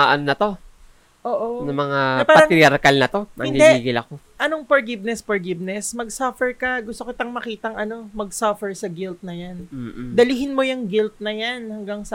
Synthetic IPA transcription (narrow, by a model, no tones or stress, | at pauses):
aʔɐnnɐt̪o̞ | ʔoːʔonɐmɐŋanɐpaːɐɾɐŋt̪ɪɾjɐɾkɐlnɐt̪o̞mɐɪnid̪ɛiːɡɪlɐko̞ | ʔɐno̞ŋfoɹɡɪb̚nɛsfoɹɡɪb̚nɛsmɐɡsɐfɛɹkɐɡʊst̪okɪt̪ɐŋmɐkiːt̪ɐŋʔɐno̞mɐɡ̚sɐfɛɹsɐɡɪlt̪̚nɐjan̩ːd̪ɐlɪɦɪnmo̞jʊŋɡɪlt̪̚nɐjanhɐŋɡaŋsɐ